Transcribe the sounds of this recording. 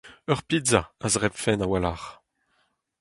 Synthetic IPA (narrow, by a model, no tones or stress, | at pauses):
œʁpizaazʁɛpfɛnawalaːʁ